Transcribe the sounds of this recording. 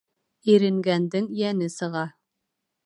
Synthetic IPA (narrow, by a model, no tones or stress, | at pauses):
iɾɘ̆ŋɡænd̪ɘŋjænɘsɤ̆ʁɑ